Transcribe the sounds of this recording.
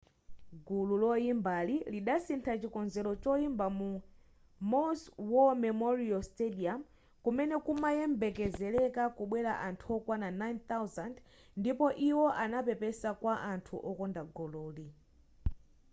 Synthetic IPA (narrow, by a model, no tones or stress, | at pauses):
ɡululɔimbaliliɗasintʰat͡ʃikɔnzɛlɔt͡ʃɔimbamu | mɔswɔmɛmɔɾiɔlstɛdiam | kumɛnɛkumajɛmbɛkɛzɛlɛkakuɓwɛɾa̰ʔantʰuɔkwananajnt̪awzand | ndipɔʔiwɔʔanapɛpɛsakwaʔantʰuʔɔkɔndaɡɔlɔːli